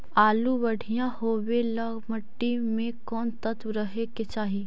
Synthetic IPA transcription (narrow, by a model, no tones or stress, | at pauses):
aːlubɐɽ̤ijãhoːwelɐɡməʈːimẽkɔːnt̪ɐt̪wəɾəɦeket͡ʃaːɦi